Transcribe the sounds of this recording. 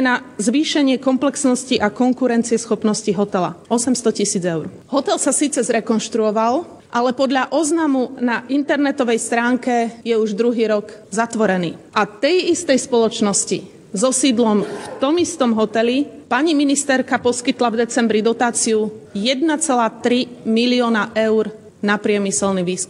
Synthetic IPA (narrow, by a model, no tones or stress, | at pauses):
ɛnazʋiːʃɛɲɪɛkɔmplɛksnɔsciʔakɔŋkuɾɛnt͡siɪɛsxɔpnɔsciɦɔt̪ɛla̰ɔsɛmst̪ɔcisiːd͡zɛʊɾ | ɦɔt̪ɛlsasiːt͡sɛzɾɛkɔnʃt̪ɾuɔʋal | ʔalɛpɔd̪ʎaʔɔznamunaʔint̪ɛɾnɛt̪ɔʋɛjst̪ɾaːŋkɛjɛuʒd̪ɾuɦiːɾɔɡzat̪ʋɔɾɛnḭːʔat̪ɛjist̪ɛjspɔlɔt͡ʃnɔscḭ | zɔsiːd̪lɔmft̪ɔmist̪ɔmɦɔt̪ɛlipaɲiminist̪ɛɾkapɔskit̪lavd̪ɛt͡sɛmbɾid̪ɔt̪aːt͡siujɛd̪nat͡sɛlaːt̪ɾimiliɔːnaʔɛʊɾ | napɾɪɛmisɛlniʋiːskum